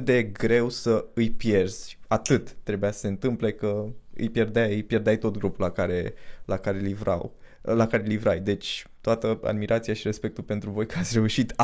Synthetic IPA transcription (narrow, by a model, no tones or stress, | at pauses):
d̪e̞ɡɾe̞wsəɨjpje̞rz̥ʲat̪ɨt̪ːɾe̞bujasə̥se̞ɨnt̪ɨmple̞kəɨ̰jpje̞rd̪eajpje̞rd̪eajt̪o̞t̪ɡɾupulakaɾe̞lakaɾe̞livɾa̰wlakaɾe̞livɾajd̪e̞t͡ʃʲt̪oat̪əa̰d̪miɾʔat̪siaʃiɾe̞spe̞k̚t̪ulpe̞nt̪ɾuvo̞jkəat̪sʲre̞uʃit̪